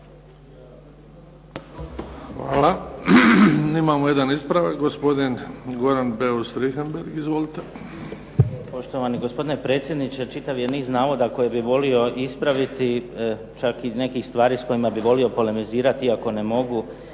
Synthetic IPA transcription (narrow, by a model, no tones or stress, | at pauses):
xʋa̰ːla | imaːmojed̪anispɾaʋakɡospo̞d̪inɡoɾanbeost̪ɾixenbeɾɡizʋolit̪e | po̞ʃt̪o̞ʋaniɡospo̞d̪ine̞pɾe̞ːt̪sjed̪nit͡ʃe̞t͡ʃit̪aʋje̞niːznaːʋo̞d̪ako̞jebiʋo̞lio̞ispɾaʋit̪i | t͡ʃakine̞kixst̪ʋaːɾiːsko̞imabiʋo̞lio̞po̞le̞miziːɾat̪iiako̞ne̞mo̞ɡu